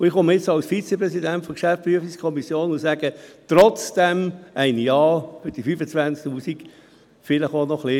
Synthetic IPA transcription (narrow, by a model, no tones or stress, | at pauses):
ʊɪχʊməɪt͡sɑwsfit͡sɛpɾɛsidæntfɔkʃæftpyəfiskʰɔmisjoːnʊsæɡət̪ɾɔt͡sd̥æmæɪnjɑːfʏd̥ifyfət͡sʋænt͡sktuːsik | fɪləχonɔχli